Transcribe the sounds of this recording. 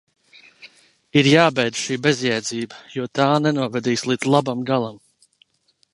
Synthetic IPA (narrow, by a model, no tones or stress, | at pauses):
iɾjaːbɛjd̪zʃiːbɛzjɛjd̪ziːbəjuɔt̪aːnɛnuɔvɛd̪iːslˠid̪zlˠabamɡalˠam